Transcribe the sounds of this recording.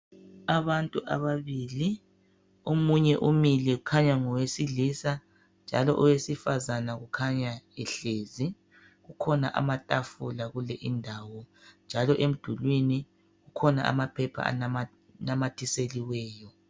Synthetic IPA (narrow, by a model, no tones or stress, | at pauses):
aβantʼuʔa̰βaβili | omuɲɛʔumilɛɣukʰaɲaŋɔwesilisa | nd͡ʒʱalɔ̰ʔɔwesifazanaɣukʰaɲaɛɬeːzi | ɣukʰɔnaʔa̰matʼafulaɣulɛʔindʱawɔnd͡ʒʱalɔʔem̩d̥ʱulwini | ɣukʰɔna̰ʔa̰mapʰɛpʰa̰a̰nm | namatʰiseliwɛːjɔ